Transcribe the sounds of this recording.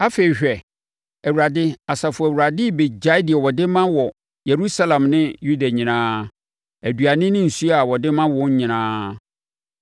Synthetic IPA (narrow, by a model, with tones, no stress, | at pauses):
a˦fe˨i˨ɕᶣɛ˨ | ɛ˨wu˨ɾa˨dɪ˦a˨sa˨fʊ˨æ˨wu˨ɾa˨dɪ˦˨be˨d͡ʑa˦dɪ˨ɛ˨wɔ˨dɪ˦mã˦wɔ˨ | je˨ɾu˦sa˦lã˨mnɪ̃˦ju˦da˨ɲĩ˨nãː˦ | æ˨dɥa˨nɪ̃˦nɪ̃˦n̩˨su˦a˨wɔ˨dɪ˦mã˦wɔ̃˨˦ɲ˦ɲɪ̃˨nãː˦